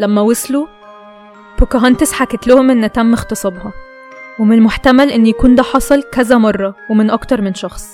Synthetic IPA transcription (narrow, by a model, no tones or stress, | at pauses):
læmːæwoslu | bʊkʊɦɑnt̪ɪsħaket̪lʊhʊmʔɪnːʔæt̪æmːɪxt̪ɑsˤɑbhɑ | wemɪnlmoħt̪æmælʔɪnːjækuːnd̪æːħɑsˤɨlkæzæmɑrˤːɑwemɪnʔɑkt̪ɑɾˤmɪnʃɑxsˤ